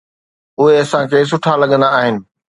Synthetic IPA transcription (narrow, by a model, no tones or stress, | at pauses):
ʊɦeɐsãkʰeːs̬ʊʈʰalɐɠə̃nd̪aːɦɪnɪ̆